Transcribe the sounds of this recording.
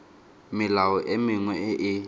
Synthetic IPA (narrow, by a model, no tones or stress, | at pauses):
mɪlawɔʔemɪŋwɛʔɪ